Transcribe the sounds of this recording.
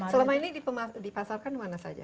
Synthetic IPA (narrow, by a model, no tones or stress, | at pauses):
səlamainidipəmadipasarkanimanasa̰d͡ʒa̰